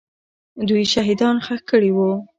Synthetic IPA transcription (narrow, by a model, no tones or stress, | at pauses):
d̪ujʃaɦid̪ɑnxəxkəɽiwu